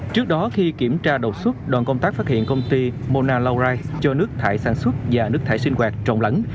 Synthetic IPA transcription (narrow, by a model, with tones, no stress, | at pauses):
t͡ɕɨ˦˥ək̚ɗɔ˨˦xi˧ki˧˩əmt͡ɕaː˧ɗə˨˩t̚swə˦˥t̚ɗwaː˧˩nkə˧wŋ͡mt̪aː˦˥k̚faː˦˥t̚hḭ˧˨ənkə˧wŋ͡mt̪i˧mo˧naː˧la˧wzaː˧jt͡ɕɔ˧nɨ˦˥ək̚t̪ʰaː˧˩jsaː˧˩˦nswə˦˥t̚vaː˨˩nɨ˦˥ək̚t̪ʰaː˧˩jsï˧ŋ̟kwaː˨˩k̚t͡ɕɔ̰˧˨wŋ͡mla̰˧˥ŋ